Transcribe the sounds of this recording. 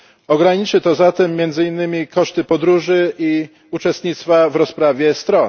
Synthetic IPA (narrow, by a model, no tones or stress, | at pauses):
ɔɡɾaɲit͡ʂɘt̪ɔzat̪ɛmːʲjɛnd̪zɘinːɘmʲikɔʂt̪ɘpɔd̪ɾuʐɘi | ut͡ʂɛst̪ɲit̪st̪favɾɔspɾavʲjɛst̪ɾɔn